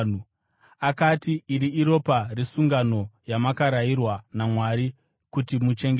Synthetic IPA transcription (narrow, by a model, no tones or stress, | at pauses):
nu | akatiːɾiiɾo̞parisuŋɡano̞jamakaɾairwanamwaɾi | kutimut͡ʃe̞ŋɡ